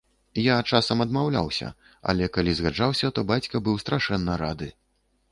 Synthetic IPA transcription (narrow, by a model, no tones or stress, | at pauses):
jat͡ʂasɐmɐd̪mawlʲa̰wsʲɐ̰ | ɐ̰lʲɛkalʲizɣad͡ʐawsʲɐt̪ɔbat͡sʲkɐbɨwst̪ɾaʂɛnːɐɾad̪ɨ